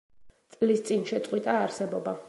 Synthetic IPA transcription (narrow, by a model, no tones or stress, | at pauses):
t̪sʼlist̪sʼinʃɛt̪sʼqʼwit̪ʼaːɾsɛbɔba